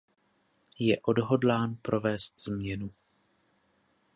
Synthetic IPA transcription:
jɛʔo̞dɦo̞dlaːnpɾo̞vɛːst̪z̥mɲɛnu

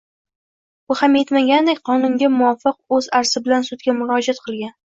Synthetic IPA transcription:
ʊhamjet̪maɡʲand̪ekʲqʰɒnʊŋɡʲamʊɒfɨq̚ɵzaɾsɪbɪlansʊt̪̚ɡʲamʊɾɒd͡ʒat̪̚qʰɨlˠɡʲan

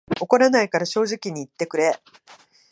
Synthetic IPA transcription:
o̞ko̞ɾanaikaɾaɕo̞ːʑikʲiɲ̟iːt̪ːe̞kɯ̟ɾe̞

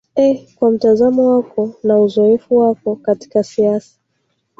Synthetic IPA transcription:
ɛkwam̩tazamɔwakɔnauzɔɛfuwakɔkati̥kasiasḁ

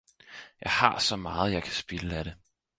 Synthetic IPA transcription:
jɑ̈ɪhɑ̈sɒ̽mɑ̈ːð̞̩ˠjɑ̈ɪkʰæ̥sb̥e̝ləæɾ̥e

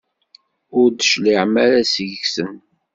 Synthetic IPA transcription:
ʊɾd̪əʃliʕmæɾæsəʝəçsən

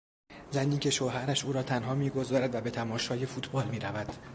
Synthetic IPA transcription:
zæniːcʰʲe̞ʃoɦæɾæʃʔuːɾɒːt̪ʰænɦɒːmiːɡo̞zɒːɾæd̪væbe̞t̪ʰæmɒːʃɒːje̞fuːt̪ʰbɒːlmiːɾævæd̪̥

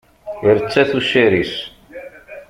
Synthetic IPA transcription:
iɾət͡sːæθuʃiɾis

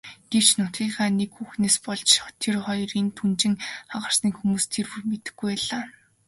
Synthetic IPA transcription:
ɡ̥ew̥t͡ɕnʊt̪ɡʲiːɢaːnekxuxneːspɔɮt͡ɕt̪ʰerχɔjriːnt̪ʰunt͡ɕɪ̆ŋχaʁə̆r̥sniːkxumuːst̪ʰerwurmet̪ɘ̥̆ɡːujæɮaː

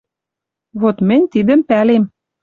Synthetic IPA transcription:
βot̪mɘ̆nʲt̪id̪ə̆mpælem

